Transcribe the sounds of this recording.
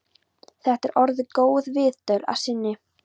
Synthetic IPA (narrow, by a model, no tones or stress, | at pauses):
θɛht̪ɛɾʔɔɾðɪkoːwðvɪðt̪œla̰̥sɪnːɪ